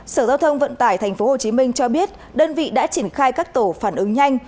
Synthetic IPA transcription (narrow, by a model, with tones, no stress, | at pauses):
səː˧˩zaː˧wt̪ʰə˧wŋ͡mvə̰˧˨nt̪aː˧˩jt̪ʰɛ˨˩ŋ̟fo˨˦ho˨˩t͡ɕi˨˦mï˧ŋ̟t͡ɕɔ˧ɓi˦˥ət̚ | ɗəː˧nvḭ˧˨ɗa̰ː˧˥t͡ɕi˧˩ənxaː˧jkaː˦˥k̚t̪o˧˩faː˧˩nʔɨ˨˦ŋɲa˧jŋ̟